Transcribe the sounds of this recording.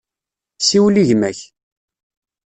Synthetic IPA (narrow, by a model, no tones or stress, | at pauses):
siwliʝmæç